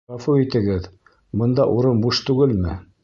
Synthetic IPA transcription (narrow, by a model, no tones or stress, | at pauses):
ɑfuit̪ɘ̆ɡɘð | bɤ̆nd̪ɑʔuɾɤnbuʃt̪ʉɡɘlmɘ